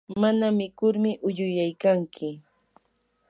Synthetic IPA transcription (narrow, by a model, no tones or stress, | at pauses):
manamɪkʊɾmɪʔʊʎʊjajkaŋkʰɪ